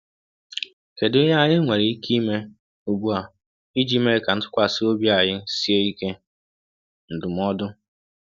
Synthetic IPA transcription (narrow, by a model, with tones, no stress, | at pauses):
ke˨dʊ˦ɦa˦a˦˨ɲɪ˦ŋʷe˨ɾɪ˨i˦kʰi˦me˦ | u˨ɡ͡bu˦a˨ | i˦d͡ʒi˦me˦˨ka˨n̩˦tʊ̥˦kʷa˦˨sɪ˦o˦bja˨ɲɪ˦si˦e˦i˦ke˦ | n̩˨dʊ˨m˦ɔ˦dʊ˦